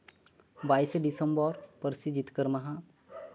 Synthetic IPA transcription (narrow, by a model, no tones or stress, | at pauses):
baːisɖisə̃mbɔɾpəɾsid͡ʒɪt̪kəɾmɐɦã